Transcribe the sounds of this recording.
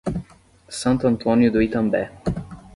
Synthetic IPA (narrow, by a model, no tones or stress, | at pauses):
sãnt̪ant̪ʰonjud̪oit̪ambɛ